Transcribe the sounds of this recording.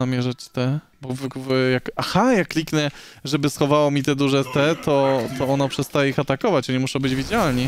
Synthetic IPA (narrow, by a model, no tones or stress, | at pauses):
amʲjɛʐat͡ɕt̪ɛ | bɔvkvjakaxajakːlʲiknɛ | ʐɛbɘsxɔvawɔmʲit̪ɛd̪uʐɛt̪ɛt̪ɔt̪ɔɔnɔpʂɛst̪ajɛixat̪akɔvat͡ɕɔɲɛmuʂɔ̃bɘd͡ʑvʲid͡ʑalɲi